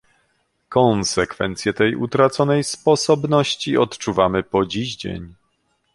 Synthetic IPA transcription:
kɔnsɛkfɛ̰nt̪sʲjɛt̪ɛjʔṵt̪ɾat̪sɔnɛjspɔsɔbnɔɕt͡ɕiɔt̪t͡ʂuvamɘpɔd͡ʑiʑd͡ʑḛɲ

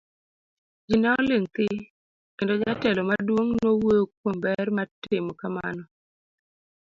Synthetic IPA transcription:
d͡ʒinaɔlɪŋt̪ɪ | kentɔd͡ʒatɛlɔmardwoŋnowokwombɛrmatɪmɔkama̰nɔ

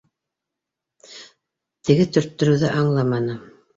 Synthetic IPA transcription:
t̪ɘ̆ɡɘt̪ɵ̆ɾt̪ːɵ̆ɾɵ̆wðɘʔɑɴlˠɑmɑnɤ

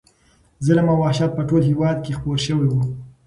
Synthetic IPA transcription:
zələmawɑʃat̪̚pəʈolɦewɑd̪̚kexpoɾʃəwiwu

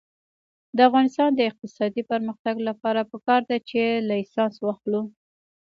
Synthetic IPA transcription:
d̪əafɣɑnɪst̪ɑnd̪əɪq̚t̪ɪsɑd̪ipəɾməxt̪aɡlapɑɾapəkɑɾd̪at͡ʃelaisɑnswɑxlu

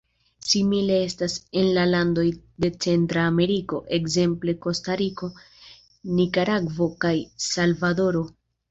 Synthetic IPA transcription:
simile̞e̞stase̞nlalando̞jde̞t͡se̞ntɾaːme̞ɾiko̞ʔe̞kze̞mple̞ko̞staɾiko̞ | nikaɾaɡvo̞kajsalvado̞ɾo̞

